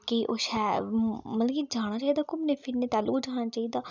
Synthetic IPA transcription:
kiʔoːʃɛːmət̪ləkiːd͡ʒaːɽ̃ãːt͡ʃaːiːd̪aːkomneːpʰɪɾneːt̪aːlo̰ːkd͡ʒaːɽ̃aːt͡ʃaːiːd̪aː

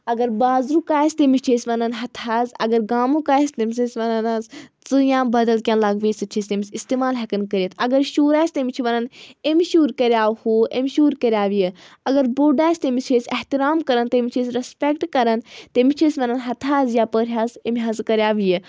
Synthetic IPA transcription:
ɐɡɐɾbaːzɾukaːjsʲt̪emit͡ʃʰeːsʲʋɐnɐnɦɐt̪ʰaːzɐ̰ɡɐɾɡaːmũkaːjst̪emisisʋɐnɐnazt͡sɨjãːbɐd̪əlkʲãnlaɡʋisɨt͡ʃʰist̪emisist̪emaːlɦɐkɐnkɐɾʲjit̪ɐɡɐɾʃuːɾaːjsʲt̪emit͡ʃʰiʋɐnɐnemʃuːɾkɐɾʲjaːhuʔemʲʃuːɾkɐɾʲjaːʋijə | ɐɡɐɾboːɖaːsʲt̪emit͡ʃʰeːsʲɛht̪iɾaːmkɐɾənt̪emit͡ʃʰesɾɐspʲekʈkɐɾɐnt̪emit͡ʃʰeːsʲʋɐnɐnɦɐt̪ʰaːzjaːpəːɾʲɦaːzemʲɦɐzkɐɾʲjaːʋije

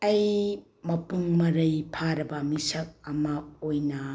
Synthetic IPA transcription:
ɐj | mɐpuŋmɐɾɐjpʰaɾɐbɐmisɐk̚ɐmaojnɐ

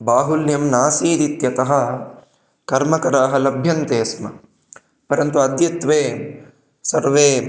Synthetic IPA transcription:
baːɦuljɐmnaːsiːd̪it̪jɐt̪ɐɦɐ̆ | kɐɾmɐkɐɾaːɦɐ̆lɐbʱjɐnt̪eːsmɐ̰ | pɐɾɐnt̪uɐd̪jɐt̪ʋeː | sɐɾʋeː

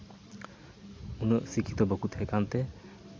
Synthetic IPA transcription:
unɔsikʰit̪ɔbokut̪hekant̪e

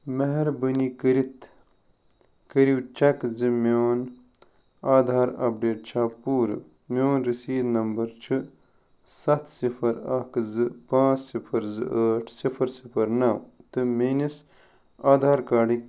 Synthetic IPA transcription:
mɐɦɐɾbɐnikɐɾit̪ | kɐɾiwt͡ʃɐkzɨmoːn | aːd̪ʱaːɾɐ̰p̚ɖeːʈ̚t͡ʃʰaːpːuːɾɨ | mʲoːnɾisiːd̪nɐmbɐɾt͡ʃʰɨ | sɐt̪ʰsipʰɐɾɐkzɨpãːt͡ssipʰɐɾzɨ̰ʔəːʈʰsifʰɐɾsipʰɐɾnɐwt̪ɨmenis | aːd̪ʱaːɾkaːɖik̚

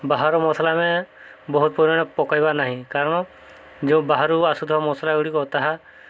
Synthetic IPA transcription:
baɦaɾɔmɔsalamebɔɦut̪̚pɔɾɔɽ̃ɔpɔkajbanaɦĩkaɾɔɽ̃ɔ | d͡ʒẽbaɦaɾuasud̪ʱɔmɔsalaɡuɽikɔt̪aɦa

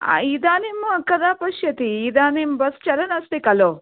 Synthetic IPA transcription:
a̰id̪aːnemuɐkːɐd̪aːpɐʃjɐt̪iːd̪aːnembɐst͡ʃɐɾɐnɐst̪ikɐloː

